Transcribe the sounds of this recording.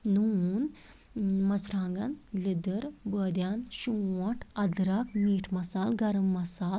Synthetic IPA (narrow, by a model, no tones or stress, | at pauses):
nun | mɐsɾaːŋɡɐnlid̪əɾbəːd̪jaːnʃuɐʈʰɐd̪ɾɐkmiːʈʰmɐsaːlɡɐɾɐmːɐsaːl